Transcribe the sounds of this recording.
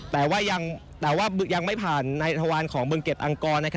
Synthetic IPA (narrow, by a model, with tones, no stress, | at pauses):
t̪ɛː˨˩waː˥˩ja˧ŋt̪ɛː˨˩waː˥˩bja˧ŋma˥˩jpʰaː˨˩nːa˧jt̪ʰa˧waː˧nkʰɔː˩˦ŋbɯː˧ŋke˨˩p̪̚ʔa˧ŋkɔː˧nːa˦˥kʰ